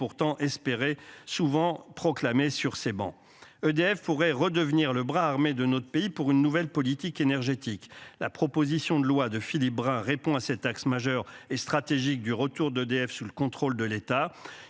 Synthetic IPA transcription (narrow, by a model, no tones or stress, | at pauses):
uʁt̪ɑ̃ʔɛspeʁesuvɑ̃pχɔklamesyʁsebɑ̰̃ | ød̪eɛfpuʁɛʁəd̪əvniʁləbʁaːʁmed̪ənɔt̪χəpeipuʁynːuvɛlpɔlit̪ikenɛʁʒet̪ikla̰pχɔpozisjɔ̃d̪əlwad̪əfilip̚bʁɛ̃ʁepɔ̃asɛt̪aksmaʒœʁest̪χat̪eʒik̚d̪yʁət̪uʁd̪ød̪eɛfsuləkɔ̃t̪χold̪əlet̪a